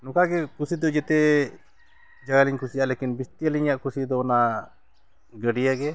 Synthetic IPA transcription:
nɔkaɡɛkusid̪ɔd͡ʒɛt̪ɛ | d͡ʒaɡaliɲkʰusijaʔlekinbist̪ijaliɲjaʔkusid̪ɔːna | ɡəɖijaɡɛ

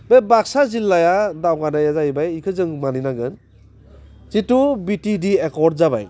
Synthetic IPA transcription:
bebaksazilːajadawɡanajazaibajikʰɯzɯŋmaninaɡɯn | zitubitidiekɔɾd̚zaba̰j

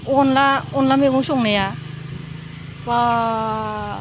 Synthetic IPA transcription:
ɔnlaɔnlameɡusɔŋnaja | ba

